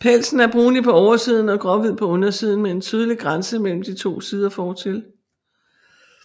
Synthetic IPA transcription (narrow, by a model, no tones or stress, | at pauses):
pʰel̰sn̩æɐb̥ʁuːnipʰɒ̽ɒʊɐsið̞̰ˠn̩ɒ̽ɡ̥ʁɒ̽ʋið̞̰ˠpʰɒ̽ɔ̽nɐsið̞ˠn̩mee̝nt͡sʰyð̞ˠəliɡ̥ʁansəmel̰m̩d̥it͡sʰo̝̰ːsiːð̞ˠɐfɒːt͡sʰe̝l